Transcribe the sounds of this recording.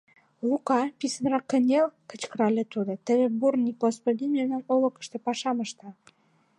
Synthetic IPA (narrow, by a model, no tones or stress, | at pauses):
lukɑpisənrɑkːə̆nʲelkə̥̆t͡ɕkəɾɑlʲet̪ud̪ot̪əβĕburnʲik̚ɡospod̪ʲinmʲemnɑmolə̆kə̥ʃt̪ĕpɑʃɑməʃt̪ɑ